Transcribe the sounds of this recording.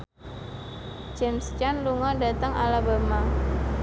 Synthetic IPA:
d͡ʒɛmst͡ʃanluŋɔda̤t̪əŋa̰labəma

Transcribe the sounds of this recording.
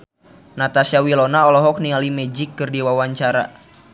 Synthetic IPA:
nat̪asiawilɔnaɔlɔɦɔk̚nialimɛd͡ʒɪkːɨrdiwawaɲt͡ʃaɾa̰

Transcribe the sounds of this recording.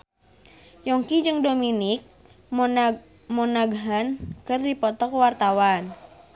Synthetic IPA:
jɔŋkid͡ʒɨŋdominik̚ | mɔnaɡɦənkɨrdipɔt̪ɔkwart̪awan

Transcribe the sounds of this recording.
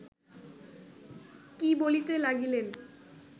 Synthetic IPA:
kibolit̪elaɡilen

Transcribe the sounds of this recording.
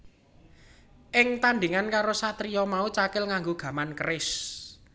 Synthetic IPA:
ʔɪŋt̪and̪iŋankaɾosat̪ɾiɔmaut͡ʃakɪlŋaŋɡoɡ̥a̤mankəɾɪs

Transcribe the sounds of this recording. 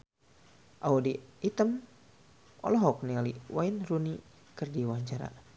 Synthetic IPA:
ʔaudiit̪əm | ɔ̰lɔɦɔk̚nialiwainruni | kɨrdiwaɲt͡ʃaɾa̰

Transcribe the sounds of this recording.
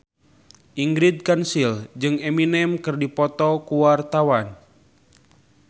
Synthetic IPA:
ʔiŋɡɾid̪̚kansild͡ʒɨŋɛminɛmkɨrdipɔt̪ɔkuwart̪awan

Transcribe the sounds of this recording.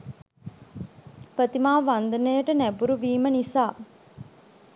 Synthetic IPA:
pət̪imaːʋand̪ɐnejəʈənæbuɾuʋiːmənisaː

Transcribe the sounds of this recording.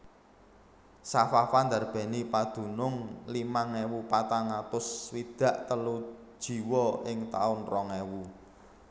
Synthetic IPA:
safafand̪arb̥ɛ̤nipad̪̥ṳnʊŋlimaŋɛwupat̪aŋat̪ʊswid̪̥ä̤ʔt̪əlu̥ | ʒ̥i̤wɔɪŋt̪a̰ʊnrɔŋewu

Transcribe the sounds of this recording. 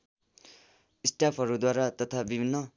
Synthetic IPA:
isʈapʰʌɾud̪waɾat̪ʌt̪ʰabibʱinːʌ

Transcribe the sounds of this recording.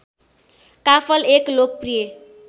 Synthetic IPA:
kapʰʌleklok̚prije

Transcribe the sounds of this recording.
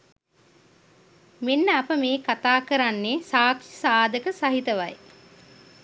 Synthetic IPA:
menːəapəmeːkat̪aːkəɾanːeːsaːkʂisaːd̪əkəsaɦit̪əʋaj

